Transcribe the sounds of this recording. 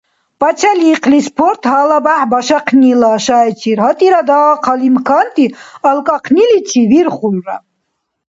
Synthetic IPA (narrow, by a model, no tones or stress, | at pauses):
pʼat͡ʃʰaliːqʰlispʰɔɾt̪ʰhalabaħbaʃaqʰnilaːʃaɛt͡ʃʰiɾɦat̪ʼiɾad̪aqʰalimkʰant̪ʼialkʼaqʰnilit͡ʃʰiviɾχulra̰